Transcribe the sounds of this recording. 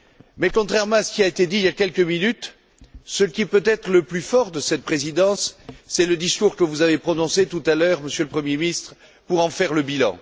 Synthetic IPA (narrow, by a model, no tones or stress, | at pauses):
mɛkɔ̃t̪χɛʁmɑ̃asə̥kʲiaet̪ed̪iljakʲɛlkəminyt̪ | səkʲipøt̪ɛt̪χələplyfɔʁd̪əsɛt̪̚pχezid̪ɑ̃sːɛləd̪iskuʁkəvuzavepχɔnɔ̃set̪ut̪alœʁməsjøləpχəmjemist̪χə | puʁɑ̃fɛʁləbilɑ̰̃